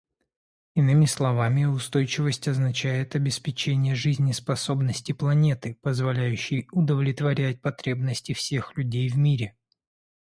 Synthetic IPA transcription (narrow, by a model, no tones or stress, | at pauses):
ɪnɨmʲɪslˠɐvamʲɪʊst̪o̞jt͡ɕɪvəsʲtʲɐznɐt͡ɕæjɪt̪ɐbʲɪspʲɪt͡ɕenʲɪjəʐɨzʲnʲɪspɐso̞bnəsʲtʲɪplˠɐnʲe̞t̪ɨpəzvɐlʲæjʉɕːɪjʊd̪əvlʲɪt̪vɐɾʲæt̚ʲpɐt̪ɾʲe̞bnəsʲtʲɪfsʲe̞xlʲʉdʲejvmʲiɾʲɪ